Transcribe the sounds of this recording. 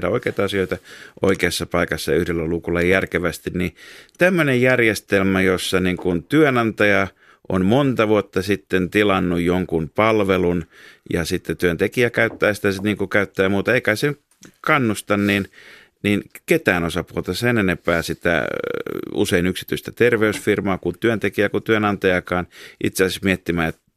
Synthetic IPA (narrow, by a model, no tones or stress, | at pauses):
dæoikeit̪ɑɑsioit̪ɑʔo̰ikeɑsːɑpɑikɑsːɑyhdelːælukulːɑjjærkeʋæst̪innit̪æmːønejjærjest̪elmæjosːɑniŋkunt̪yønɑnt̪ɑjɑ | ʔo̰nmont̪ɑʋuot̪ːɑsit̪ːent̪ilɑnːujjoŋkunpɑlʋelunjɑ̰sit̪ːet̪yønt̪ekiækæyt̪ːæːsi̥t̪æsniːŋkukæyt̪ːæːmuːt̪ɑeikæsenk | kɑnːust̪ɑnnin | ninket̪æːnosɑpuot̪ɑsenenepæːsit̪æ̰ | ṵseinyksi̥t̪yist̪æt̪erʋeysfirmɑːkunt̪yønt̪ekijækut̪yønɑnt̪ɑjɑkɑːnʔḭt̪seɑsismiet̪ːimæːet̪